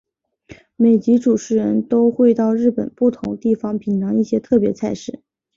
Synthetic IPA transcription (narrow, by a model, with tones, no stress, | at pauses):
me˨˩ɪt͡ɕi˧˥ʈ͡ʂu˨˩ʈ͡ʂʰɻ̩˧˥ɻə˧˥nt̪o˥ʊxwe˥˧ɪt̪ɑ˥˧ʊɻɻ̩˥˩pə˨˩npu˥˩t̪ʰʊ̰˧˥ŋt̪i˥˩fɑ˧˥ŋpʰi˨˩nt̪ɑ˧˥ŋi˥˩ɕjɛ˥t̪ʰɤ˥˩pjɛ˧˥t͡sʰa˧˥ɪʂɻ̩˥˩˦